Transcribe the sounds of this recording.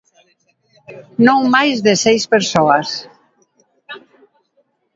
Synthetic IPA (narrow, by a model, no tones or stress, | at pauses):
nõŋmajzðesɛjspeɾsoas